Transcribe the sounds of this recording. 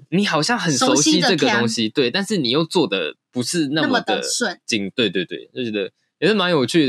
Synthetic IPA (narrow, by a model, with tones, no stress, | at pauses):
ni˨˦xɑ˨˩ʊɕjɑ˥˩ŋxə˨˩nʂo˧˦˥ʊɕi˥˦ʈ͡ʂɤ˥˨˩ɡə˨t̪o˥ŋɕi˦t̪we˥ɪt̪a˥˧nʂɻ̩˥˩ni˨˩jo˥˧ʊt͡swɔ˥˨d̪ə̰˩pu˨˦ʂɻ̩˥˧na˥˩mə˨d̪ə̰˩˧t͡ɕi˨˥ŋt̪we˥˧ɪt̪we˥˧ɪt̪we˥˩ɪt͡ɕo˥˩t͡ɕɥɛ˧˦d̪ə˧ | jɛ˨˩sə˥˩ma˧˦njo˨˩ʊt͡ɕʰy˥˩